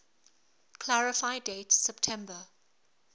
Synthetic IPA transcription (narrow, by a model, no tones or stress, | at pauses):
kʰl̥aɹɪfaɪdeɪtsɛp̚tʰɛ̃mbə